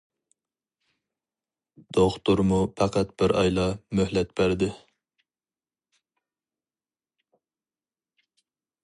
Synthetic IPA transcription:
d̪̥oχt̪uɾmupʰɑqʰɑt̪̚b̥ɪɾɑ̰jlˠɑmøhlɛt̪̚bæɾd̪ɪ

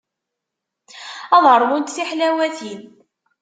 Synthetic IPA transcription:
ɑðˤəɾˤːmʊnt̪θiħlæwæθin

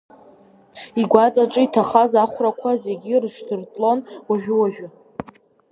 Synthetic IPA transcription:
iɡʷat͡sʼaʈ͡ʂʼɨitʰaχazaχʷrakʷʰaze̞ɡʲirʂtʰɨrtʼlo̞nwaʒᶣɪwaʒᶣʊ

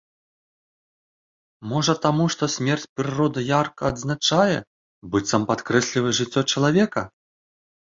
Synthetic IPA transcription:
mɔʐɐt̪amuʂt̪ɔsʲmʲɛrt͡sʲpɾɨɾɔd̪ɐjarkɐːd̪znat͡ʂajɛ | bɨt̪ʲsɐmpat̪kɾɛsʲlʲivɨʐɨt͡sʲːɔt͡ʂɐlˠavʲɛkɐ

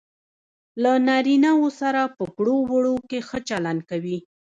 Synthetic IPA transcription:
lanaɾinawosaɾapəkɽowəɽokexət͡ʃaland̪̚kawi

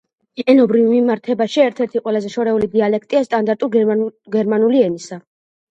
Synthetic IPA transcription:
ɛnɔbɾivmimaɾt̪ʰɛbaʃiɛɾt̪ʰɛɾt̪ʰiqʼwɛlazɛʃɔɾɛulid̪ialɛkʰt̪ʼiast̪ʼand̪aɾt̪ʼuɾɡɛɾmanuliɛnisa

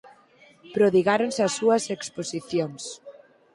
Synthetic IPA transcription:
pɾoðiɣaɾonsasːuɐseksposiθjoŋs

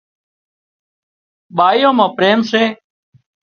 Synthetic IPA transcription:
ɓaːijõːmãːpɾeːmseː

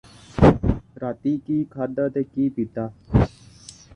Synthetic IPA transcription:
ɾat̪ikiːkʰad̪ət̪ekiːpit̪a

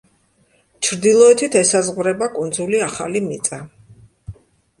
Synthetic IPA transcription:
t͡ʃʰɾd̪ilˠɔɛt̪ʰit̪ʰɛsazʁvɾɛbakʼund̪zuliaχa̰limit̪sʼa

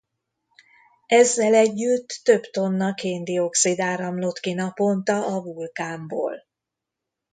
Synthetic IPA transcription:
ɛzːɛlɛɟːyt̪ːø̞bt̪o̞nːɒkeːnd̪io̞ksid̪aːɾɒmlot̪kinɒpo̞nt̪ɒʔɒvulkaːmbo̰ːl

